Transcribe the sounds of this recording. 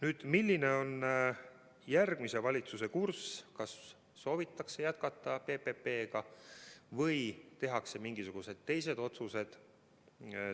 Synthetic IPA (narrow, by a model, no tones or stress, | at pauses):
nyːd̪̥milʲːine̞o̞n | jærɡ̥mise̞vɑlʲit̪suse̞kurskɑsː | o̞ːvit̪ːˑɑkse̞jæt̪̚kɑt̪ːˑɑpe̞pepe̞ːɡ̥ɑ | vɤjt̪e̞ɦɑkse̞miŋɡ̥isuɡ̥use̞d̪̥̚t̪e̞jse̞d̪̥o̞t̪suse̞d̪̥